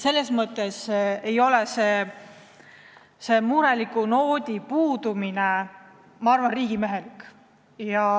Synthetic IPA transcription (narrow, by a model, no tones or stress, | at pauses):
se̞lːe̞smɤt̪ːˑe̞se̞jo̞lese̞ː | se̞muɾe̞likːˑuno̞ːd̪ʲipuːd̪̥umine | mɑɑrvɑnriːɡ̥ime̞ɦe̞likːˑ | jɑ